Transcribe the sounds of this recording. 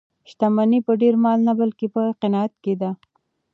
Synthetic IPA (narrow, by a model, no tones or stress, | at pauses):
ʃt̪amanipəɖeɾmɑlnabalkepəqɪnɑat̪̚ked̪a